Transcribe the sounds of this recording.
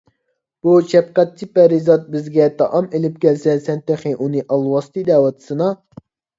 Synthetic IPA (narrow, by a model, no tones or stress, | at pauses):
b̥ut͡ʃʰɛp̚qæt̪̚t͡ʃʰipɛɾizɑt̪̚bɪzɡʲɛt̪ʰɑʔɑmelɪp̚kʲɛlsɛsɛnt̪eχɨʔunɨʔɑlˠwɑst̪ʰɨd̪ɛːwɑt̪ʰɨ̥sɨnɑ